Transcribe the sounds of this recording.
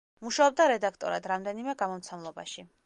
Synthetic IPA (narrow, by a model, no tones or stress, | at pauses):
muʃaɔb̚d̪aɾɛd̪akʰt̪ʼɔɾa̰d̪ɾamd̪ɛnimɛɡamɔmt̪sʰɛmlˠɔba̰ʃi